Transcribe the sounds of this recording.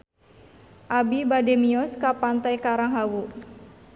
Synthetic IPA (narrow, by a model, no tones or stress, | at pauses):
ʔabibademiɔskapant̪ajkaɾaŋɦawu